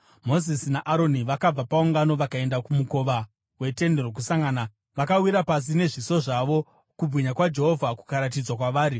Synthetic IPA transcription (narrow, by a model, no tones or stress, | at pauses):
mo̞zisinaʔaɾo̞niʋakab͡vapauŋɡano̞ʋakae̞ndakumuko̞ʋa | we̞te̞nde̞rok̬usaŋɡaːna | ʋakawiɾapas̬ine̞ʐiso̞ʐaʋo̞ | kub͡vʱwiɲakwad͡ʒe̞ɦo̞vʱaku̥kaɾat̬id͡zwakwaʋaːɾi